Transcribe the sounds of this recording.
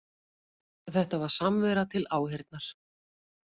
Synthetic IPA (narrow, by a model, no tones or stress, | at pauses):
θɛht̪avaɾ̥samvɛɾat̪ʰɪlaːwheɾt̪naɾ̥